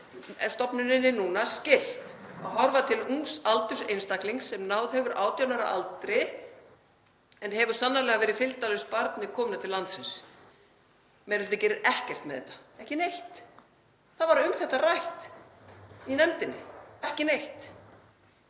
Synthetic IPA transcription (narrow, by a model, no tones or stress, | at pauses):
st̪ɔpnʏnɪnːɪnuːnascɪl̥t̪a̰ɦɔɾvat̪ʰɪlusalt̪ʏ̥sejnst̪akliŋksɛmnaːwðhɛvʏɾʔaːwt̪janaɾaʔalt̪ɾɪ | ɛnhɛvʏɾ̥sanːalɛːɣavɛːɾɪðfɪlt̪alʏspaɾt̪nɪkʰɔːmnat̪ʰɪllːant̪sɪns | mɛɾɪlt̪acɛːɾɪɾɛhcɛr̥t̪mɛðθɛht̪ːḁɛhcɪnejht̪ | θaðvaɾʏmθɛht̪arajht̪ | inɛnt̪ɪnːɪ̰ɛhcɪnejht̪